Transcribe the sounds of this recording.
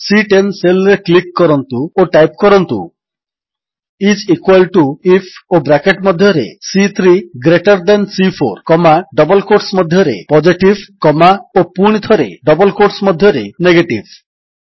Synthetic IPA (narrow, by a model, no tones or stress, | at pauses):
siʈenselɾeklikːɔɾɔnt̪uoʈajp̚kɔɾɔnt̪ṵ | it͡ʃikwalʈuipʰobɾakeʈmɔd̪ʱjɔɾḛsit̪ʰɾiɡɾeʈɔɾd̪ɛnsipʰo̰ɾkɔmaɖɔbɔlkoɾsmɔd̪ʱjɔɾḛpɔd͡ʒiʈibkɔmaopuɽ̃id̪ʱɔɾḛɖɔbɔlkoʈsmɔd̪ʱjɔɾeneɡeʈib